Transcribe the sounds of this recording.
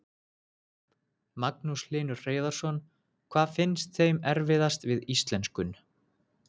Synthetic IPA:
maknuslɪːnʏɾreːjðaɾ̥sɔn | kʰv̥aːðfɪnst̪θejmɛɾvɪðast̪vɪðist̪lɛnskʏn

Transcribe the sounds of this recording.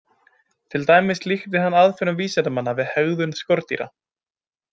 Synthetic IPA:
t̪ʰɪlt̪aːjmɪslixt̪ɪɦanːaðfɛɾʏmviːsɛt̪amanːavɪðhɛɣðʏnskɔɾt̪ḭɾa̰

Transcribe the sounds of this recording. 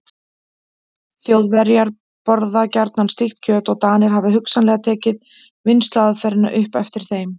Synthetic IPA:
θjowðvɛɾjaɾ | pɔɾðacaɾt̪nanst̪ixt̪cʰœːt̪ɔɣt̪aːnɪɾ̥ɦavɪɦʏksanlɛːɣat̪ʰɛːcɪð | vɪnst̪laaðfɛɾɪna̰ʔʏhpɛft̪ɪɾ̥θejm

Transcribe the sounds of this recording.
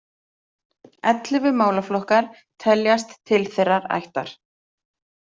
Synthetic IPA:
ɛt̪lɪvʏmaːwlaflɔhkaɾ̥ | t̪ʰɛljast̪ʰːɪlθerːaɾa̰jht̪a̰ɾ̥

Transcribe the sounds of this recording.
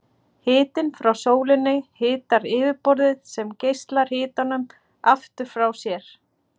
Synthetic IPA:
hɪːt̪ɪnfɾawsoːwlɪnːɪhɪːt̪aɾɪːvɪɾpɔɾðɪð̥sɛmcejst̪laɾ̥hɪːt̪anʏm | aft̪ʏɾ̥fɾawsjɛɾ̥

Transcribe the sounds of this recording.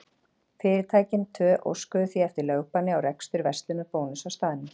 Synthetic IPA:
fɪːɾɪɾt̪ʰaːjcɪnt̪ʰœːʔo̰wskʏðʏθviɛft̪ɪɾlœːwpanːɪawɾɛkst̪ʏɾvɛst̪lʏmɛpoːwnʏsawst̪aːðɪnːɪ

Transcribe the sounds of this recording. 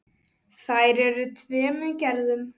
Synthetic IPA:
θajɾɛɾʏt̪ʰvɛːmɛncɛɾðʏm

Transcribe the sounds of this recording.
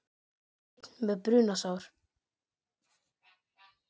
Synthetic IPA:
t̪n̥mɛðpɾʏːnasaːwɾ̥

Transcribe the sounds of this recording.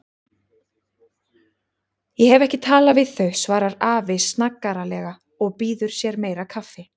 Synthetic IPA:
jɛhɛvɛhcɪt̪ʰaːlavɪðθœɥsvaːɾaɾaːvɪsnakːaɾalɛɣa | ɔɣpiːðʏɾ̥sjɛɾmeːjɾakʰafːɪ

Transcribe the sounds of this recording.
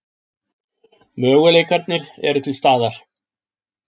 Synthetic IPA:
mœːɣʏleːjkaɾt̪nɪɾɛ̰ɾʏt̪ʰɪlst̪aːðaɾ̥

